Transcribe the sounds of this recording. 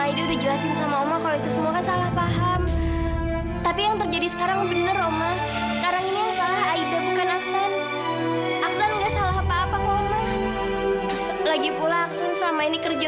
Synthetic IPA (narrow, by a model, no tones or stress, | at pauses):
aiduɾud͡ʒuasɪnsamaomakaloit̪usəmuakansalahpaɦam | t̪apijaŋt̪ərd͡ʒadisə̥kaɾaŋbənəroma | səkaɾaŋinijaŋsalaɦaidabukanaksan | ʔaksanŋɡaʔsalaɦapaːpaŋoma | laɡipulaːksansəlamainikərd͡ʒa